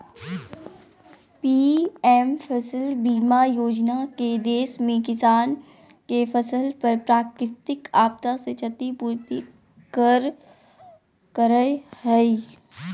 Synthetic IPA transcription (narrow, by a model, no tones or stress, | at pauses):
piːɛːmfʰəsəlbiːmajoːd͡ʒnaked̪eːʃmẽkɪsaːn | kefʰɐsəlpɐɾpɾaːkɾɪt̪ɪkaːb̚t̪aset͡ʃʰət̪ipuːɾt̪i | kəɾ | kəɾəjhɛi